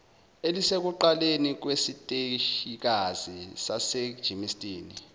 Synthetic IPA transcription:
elisek̬uǃalenik̬wesitʼeʃik̬az̥isasɛ̥ʒ̥ʱimistʼiːni

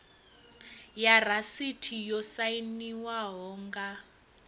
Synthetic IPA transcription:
jar̤asitʰijɔsainiwaɦɔːŋɡa

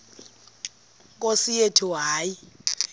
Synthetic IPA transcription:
k̬ʼosijetʰuɦaːji

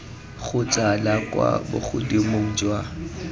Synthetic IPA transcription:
χʊt͡sʼalakʼwa̰bʊ̰χʰʊdimoŋ̩d͡ʒwa

